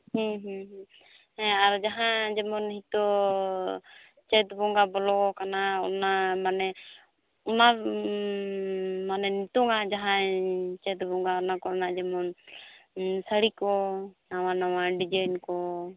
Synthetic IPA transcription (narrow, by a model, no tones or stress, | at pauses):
hĩɦɦ | ɛaɾd͡ʒaɦãd͡ʒɛmɔnhit̪ɔ | t͡ʃɛt̪bɔŋɡabɔlɔkɔkanaɔ̰namanɛ | ɔna | manɛnit̪uŋad͡ʒaɦãt͡ʃɛt̪bɔŋɡaɔnakɔɾnaʔd͡ʒɛmɔn | səɽikɔnawanawaɖid͡ʒajnkɔ